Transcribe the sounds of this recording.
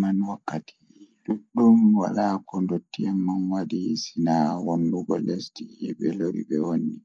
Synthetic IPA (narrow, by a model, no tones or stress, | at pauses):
manwakːatʰi̥ | luɗːumwa̰lakɔndotːiɛmːanwadisinawonːuɡɔlestiɛɓɛloɾḭɓɛwonːi